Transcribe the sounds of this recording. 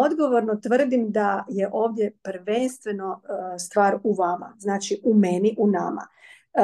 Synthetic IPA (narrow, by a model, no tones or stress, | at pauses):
o̞d̪ɡo̞ʋoɾnot̪ʋr̩d̪imd̪aje̞ʔo̞ːʋd̪je̞pr̩ʋenst̪ʋeno̞st̪ʋaːɾuʋama̰znaːt͡ʃiʔumeniʔuna̰ma̰